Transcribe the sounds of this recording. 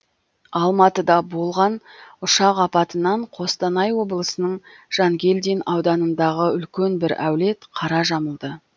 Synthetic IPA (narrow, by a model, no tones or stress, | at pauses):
ɑlˠmɑt̪əd̪ɑbo̞lˠʁɑnʊʃɑqɑpɑt̪ənɑɴqʰo̞st̪ɑnɑjwo̞blˠəsənəɴʒ̥ɑŋɡʲe̞ld̪ijnɑwd̪ɑnənd̪ɑʁəʏlkʲe̞nbɪɾæ̰wle̞t̪qʰɑɾɑʒɑməlˠd̪ə